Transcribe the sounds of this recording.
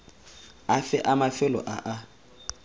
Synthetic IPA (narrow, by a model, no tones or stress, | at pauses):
afɪʔamafɪlɔ̰ʔaʔa